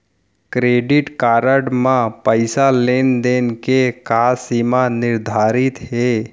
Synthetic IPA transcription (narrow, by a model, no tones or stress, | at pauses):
kɾeːɖɪʈkaːɾəɖmãpəɪsaleːnd̪eːnkekaːsimanɪɾd̪ʱaːɾɪt̪ɦɛː